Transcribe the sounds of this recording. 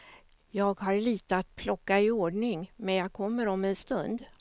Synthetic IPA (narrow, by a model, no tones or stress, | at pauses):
jɑːɡhaɾliːt̪əat̪pʰlɔkːaɪoːɖɳɪŋmɛnjɑɡ̚kʰɔmːəɾɔmɛnst̪ɵnd̪